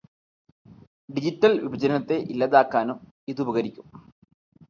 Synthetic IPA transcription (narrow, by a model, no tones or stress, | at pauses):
ɖid͡ʑitːɐlʋibɐd͡ʑɐnɐt̪ːe̞ʔilːɐðaːkːaːnum | iðubʱɐɣɐɾikʲːum